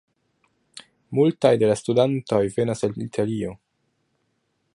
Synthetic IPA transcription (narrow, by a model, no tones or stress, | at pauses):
multajde̞lastudanto̞jve̞naselitʰalio̞